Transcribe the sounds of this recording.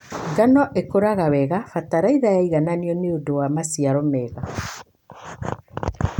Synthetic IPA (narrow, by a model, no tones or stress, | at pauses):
ŋɡanɔʔekoɾaɣawɛɣafataɾaiðajaiɣananiɔneondowamasiaɾɔmɛɣa